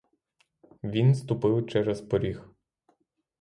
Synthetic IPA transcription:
ʋʲinst̪ʊpɪwt͡ʃɛɾɛspɔɾʲix

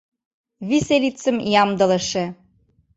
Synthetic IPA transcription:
βiselit͡sːə̆mjɑmd̪ɤ̆lɤ̆ʃe

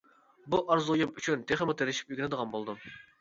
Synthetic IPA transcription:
buʔɑɾzujumyt͡ʃʰynt̪ʰeχɪmʊt̪ʰeɾɪʃi̥p̚yɡʲnɪd̪əʁɑnbolˠd̪ɨm

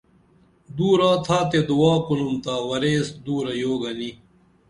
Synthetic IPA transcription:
d̪uːɾaːt̪ʰaːt̪ed̪uwaːkunumt̪aːwɐɾeːsd̪uːɾɐjoːɡɐni

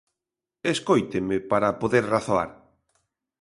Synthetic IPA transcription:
eskojt̪emepaɾapoðeɾraθoa̰ɾ

